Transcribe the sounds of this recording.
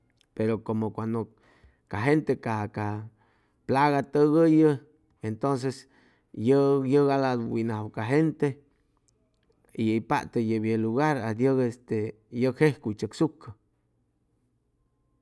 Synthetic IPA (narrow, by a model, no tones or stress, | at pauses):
peɾokomokʷand̪o | kaɦent̪ekaka | plaɣat̪əɣəjə | ent̪ons̬es | jəjəɣalad̪winahwkaɦent̪e | iəpa̰ʔt̪ejəbjeluɣaɾad̪jəɣest̪e | jəkhehkut͡ʃəksukːə